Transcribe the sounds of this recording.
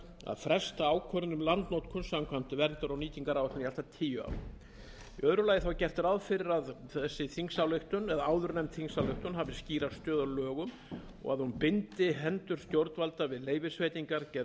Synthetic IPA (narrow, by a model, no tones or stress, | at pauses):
a̰ðfɾɛst̪aaːwkʰœɾɪnʏmlant̪nowt̪kʰʏnsamkʰvamt̪ɪvɛnt̪ʏɾawniːt̪iŋkaɾawɛht̪ɪnijalt̪at̪ʰiːjʏa̰wɾ | iœðɾʏlajɪθawcɛr̥t̪ɪɾaðfɪɾɪɾaðθɛsːɪθiŋsawleht̪ʏnɛðaaːwðʏɾnɛmt̪θiŋsawleht̪ʏnɦavɪ̥sciːɾast̪œːðalœːɣʏm | ɔ̰ɣaðhunpɪnt̪ɪɦɛnt̪ʏɾ̥st̪jowɾt̪valt̪avɪðleːjvɪsveːjt̪iŋkaɾcɛ